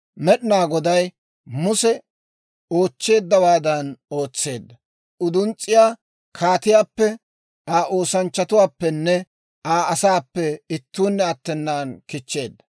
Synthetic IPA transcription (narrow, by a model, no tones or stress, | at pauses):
mɛɗɪnaːɡɔd̪ɐj | mʊsɛ | o̞ːt͡ʃːe̞ːd̪ːɐwaːd̪ɐno̞ːt͡sːe̞ːd̪ːɐ | ʊd̪ʊnt͡sʼːɪjaː | kʰaːt̪ɪjaːpːɛ | aːʔo̞ːsɐnt͡ʃːɐt̪ʊwaːpːɛnːɛ | aːɐsaːpːɛɪt̪ːuːnːɛɐt̪ːɛnːaːnkɪt͡ʃːe̞ːd̪ːɐ̥